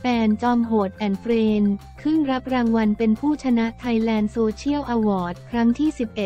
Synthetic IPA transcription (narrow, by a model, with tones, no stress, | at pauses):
fɛː˧nt͡ɕɔː˧mɦoː˨˩t̪̚ʔɛ˨˩nfɾeː˧n | kʰɾɯ˥˩ŋɾa˦˥p̚ɾaː˧ŋwa˧npe˧npʰuː˥˩t͡ɕʰa˧na˦˥ʔt̪ʰa˧jlɛː˧nsoː˧t͡ɕʰi˥˩əwʔaː˧wɔː˨˩t̪̚kʰɾa˦˥ŋt̪ʰiː˥˩si˨˩p̚ʔe˨˩t̪̚